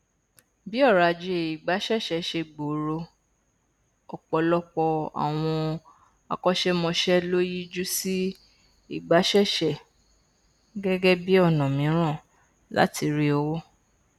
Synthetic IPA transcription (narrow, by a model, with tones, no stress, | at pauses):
bi˦ɔ˦˨ɾa˨d͡ʒe˨i˨ɡ͡ba˨˦ʃɛ˦˨ʃɛ˨˦ʃe˧ɡ͡bo˨ɾo˧ | ɔ˨k͡pɔ˨lɔ˦k͡pɔ˧a̰˨w̃ɔ̃˧ | a̰˧˨kɔ˦ʃɛ˦mɔ̃˧ʃɛ˦lo˦ji˦d͡ʒu˦si˦ | i˦˨ɡ͡ba˨˦ʃɛ˦˨ʃɛ˨ | ɡɛ˦ɡɛ˦bi˦ɔ˦˨nã˨mĩ˨˦ɾ̃ã˦˨ | la̰˨˦ti˧ɾi˦o˧wo˦